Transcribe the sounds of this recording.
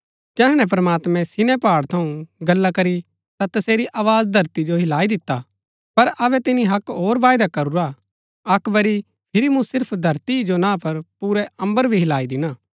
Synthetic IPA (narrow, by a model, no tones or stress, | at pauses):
d͡ʒɛːɦɽ̃ɛ̃p̬ɾɐmaːt̪mɛ̃sɪnɛ̃paːɽt̪ʰɐũɡɐlːakɐɾi | t̪at̪ɐseːɾiʔaːʋaːd͡ʒd̪ʱɐɾt̪id͡ʒoɦɪlaːid̪ɪt̪ːa | pɐɾɐβɛt̪ɪniɦɐkɦoːɾʋaːjd̪akɐɾuɾa | ɐkʋɐɾi | pʰɪɾimũsɪɾpʰd̪ʱɐɾt̪id͡ʒonãːpɐɾpuːɾɛɐ̃mbəɾbʱiɦɪlaːid̪ɪnaː